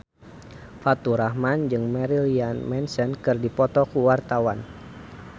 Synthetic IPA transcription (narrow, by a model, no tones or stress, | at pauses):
fat̪uɾahmand͡ʒɨŋmɛɾilianmɛnsɛnkɨrdipɔt̪ɔkuwart̪awan